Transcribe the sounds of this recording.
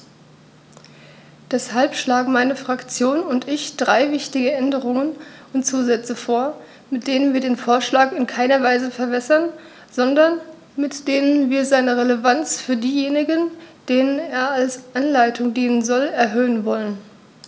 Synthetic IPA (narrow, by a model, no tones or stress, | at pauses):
d̥ɛshalpʃlaːɡŋ̩maɪnəfʁ̥akt͡sjoːnʊntɪçd̥ʁaɪvɪçtɪɡəʔɛndəʁʊŋənʊntt͡suːzɛt͡səfoːɐ | mɪt̚d̥eːnənviːɐdeːnfoːɐʃlaːkɪnkʰaɪnɐvaɪzəfɛɐvɛsɐn | z̥ɔndɐn | mɪtd̥eːnənviːɐzaɪnəʁeləvant͡sfyːɐdiːjeːnɪɡənd̥eːnəneːɐalsʔanlaɪtʰʊŋdiːnənzɔlɛɐɦøːənvɔlən